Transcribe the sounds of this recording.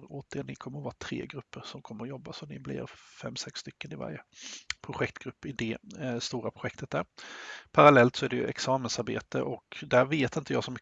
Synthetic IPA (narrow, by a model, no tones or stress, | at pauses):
oːt̪̚d̪enɪkʰɔmːəɾɔvɑːt̪ʰɾḛːɡɾɵpːəɾsɔmkʰɔmːəɾɔjɔbːasɔnɪblɪ̰ɾfɛmːsɛksːst̪ʏkːənɪva̰ɾjəpʰɾʊɧɛk̚t̪ɡɾɵpːɪd̪ɛst̪uːɾapʰɾʊɧɛk̚t̪ʰət̪̚d̪æɾpʰaɾalɛlt̪sɔæɖɛjɵ̰ʔɛ̰ksɑːmənsaɾbḛːt̪əʔɔkd̪æɾveːt̪ɪnt̪əjɑːɡsɔm